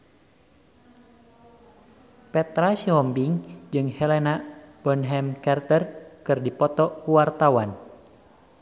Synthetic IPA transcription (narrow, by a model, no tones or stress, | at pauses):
pɛt̪ɾasiɔmbiŋd͡ʒɨŋhɛlɛnab̥ɔnɦɛmkart̪ərkɨrdipɔt̪ɔkuwart̪awan